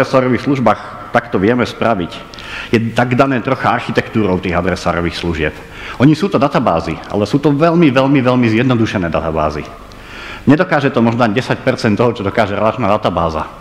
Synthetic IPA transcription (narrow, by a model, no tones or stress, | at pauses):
ɾɛsaːɾɔʋiːxsluʒbaːx | t̪akt̪ɔʋɪɛmɛspɾaʋic | jɛt̪aɡd̪anɛːt̪ɾɔxaaɾxit̪ɛkt̪uːɾɔʊt̪iːɣad̪ɾɛsa̰ːɾɔʋiːxsluʒɪɛp | ʔɔɲisuːt̪ɔd̪at̪abaːzia̰lɛsuːt̪ɔʋɛʎmiʋɛʎmiʋɛʎmizjɛd̪nɔd̪uʃɛnɛːd̪at̪aba̰ːzḭ | ɲɛd̪ɔkaːʒɛt̪ɔmɔʒnɔaɟɛsac̚pɛɾt͡sɛnt̪ɔɦɔt͡ʃɔd̪ɔkaːʒɛɾɛlat͡ʃnaːd̪at̪abaːza̰